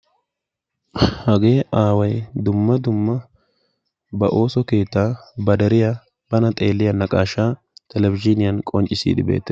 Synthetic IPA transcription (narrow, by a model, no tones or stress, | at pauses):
hɐɡe̞ːʔaːwɐjd̪ʊmːɐd̪ʊmːɐ | bɐʔo̞ːsɔke̞ːt̪ːaːbɐd̪ɐɾɪjɐ | b̥ɐnɐt̪ʼe̞ːlːɪjɐnɐkʼaːʃaː | t̪ʰɛlɛvɪd͡ʒɪnɪjɐnkʼɔnt͡ʃʼːɪsḭːd̪ɪbḛːt̪ːɛ̥